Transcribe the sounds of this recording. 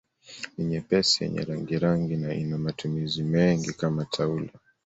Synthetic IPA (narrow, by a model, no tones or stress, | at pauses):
iɲɛpɛsijɛ̰ɲɛ̰ɾaŋɡiɾaŋɡinaḭnamatʰumizimɛŋɡikamatʰaula